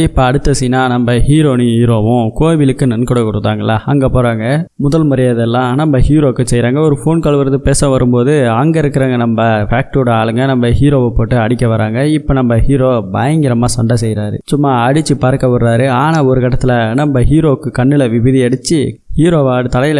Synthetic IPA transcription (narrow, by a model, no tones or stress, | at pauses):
ɪpːoɐɽɯt̪ːɐsɛnaːnɐmbɐhiːɾoːnihiːɾoːʋʊ̃koːʋɪlɯkːɯnɛnkɔɽɐkɔɽɯðaːŋɡɐɪlːɐɐŋɡeːpoːɾaːŋɡɐmʊðɐlmʊɾɐjɐðɛlːãːnɐmbɐhiːɾoːkːɯsɛjɾaːŋɡɐɔɾɯfoːnkɐɭɯʋɯɾɐðɯpeːsɐ̃ʋɐɾɯmpoːðɯɐŋɡɐɪɾɯkːɪɾaːŋɡɐnɐmbɐfaːk̚ʈoɽɐaːɭɯŋɡɐnɐmbɐhiːɾoːʋɐpoːʈːɯɐɽɪkʲːɐʋɐɾaːŋɡɐɪpːoːnɐmbɐhiːɾoːbɐ̰jɐŋɡɪɾɐmaːsɐɳɖɐsɛjɾaːɾɯ̰sʊmːaːɐɽɯt͡ʃːɯpaːɾkːɐʋɐɾaːɾɯaːnaːɔɾɯkɐʈːɐt̪ːɪlɐnɐmbɐɦiːɾoːkːɯkɐɳːɪlɐʋɪʋɪðiɐɽɯt͡ʃːɯhiːɾoːʋaːɽɯt̪ɐlɐjɪl